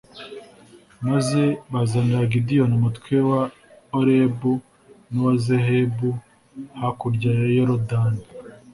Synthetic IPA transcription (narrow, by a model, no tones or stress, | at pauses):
maze̞βazanaɡidijonumutkwewa | oɾebu | nowazehebu | hakuɾɟajoɾodani